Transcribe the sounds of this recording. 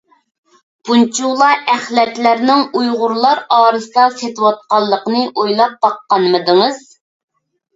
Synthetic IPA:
b̥unt͡ʃʰulˠɑʔæχlɛt̪læɾnɪŋujʁʊɾlˠɑɾɑːɾɨsɨd̪ɑset̪ɪwɑt̪̚qɑlˠːəqnɨʔojlˠɑp̚b̥ɑqːɑnmɨd̪ɨŋəz

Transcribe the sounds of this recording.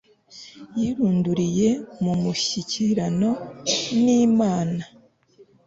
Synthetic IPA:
jiɾuːnduɾije̞mumuçiciɾano̞niːmaːna

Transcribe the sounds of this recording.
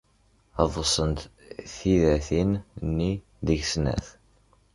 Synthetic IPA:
ɑðˤəsˤənt̪ | θiðæθinnːi | ðəʝsnæ̰θ

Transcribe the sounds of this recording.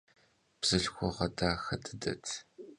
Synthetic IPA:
b̥z̥ɨɮxʷɔʁɐdaːxɐdʰɨdɐ̰tʰ

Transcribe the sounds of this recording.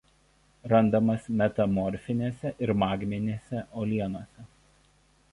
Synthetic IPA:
ɾɐnd̪ɐmɐsmʲɛt̪ɐmɔɾʲfʲɪnʲeːsʲɛʔɪɾmɑːɡʲmʲɪnʲeːsʲɛʔoːlʲiɛnoːsʲɛ

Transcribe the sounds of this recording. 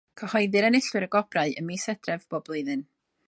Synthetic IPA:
kʰəhɔɨðɨɾɛnɪɬwɪɾəɡɔb̥raɨəmisɛd̥rɛvb̥ɔblˠʊɨðɨn

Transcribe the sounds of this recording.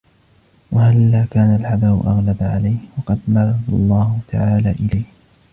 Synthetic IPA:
wahalːaːkaːnalʕad̪ɑɾʊ̰ʔɑɣlabaʕalajhwɑqɑd̪mɑrˤːɑd̪ɑ̰lˤːɑːhʊt̪ʰaʕaːlaːʔɪlajh

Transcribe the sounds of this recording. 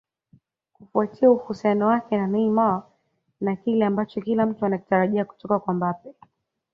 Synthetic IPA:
kufuatiauhusianɔwakɛnanɛimaa | nakilɛambat͡ʃɔkilam̩tuanaki̥taɾaʄiaku̥tɔkakwambapɛ

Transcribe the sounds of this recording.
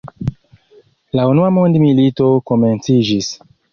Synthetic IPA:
launuamondmilito̞koment͡sid͡ʒis

